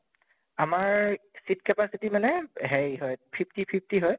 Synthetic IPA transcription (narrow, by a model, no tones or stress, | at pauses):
amaɹsit̚kɛpasitimɛnɛɦɛɹɦɔjpʰipʰtipʰip̚ʰtiɦɔj